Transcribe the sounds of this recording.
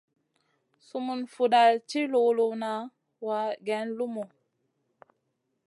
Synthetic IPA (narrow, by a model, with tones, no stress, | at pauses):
su˨mu˨nfu˨da˨lt͡ʃi˦lo˨lu˨na˨˦ | wa˨˦ɡɛ˨˦nlu˦mu˨